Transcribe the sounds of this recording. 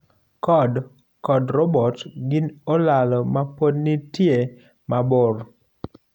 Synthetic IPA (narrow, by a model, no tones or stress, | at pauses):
kɔd | kɔdɾɔbɔtɡɪnolalɔmapodnitje | mabʊr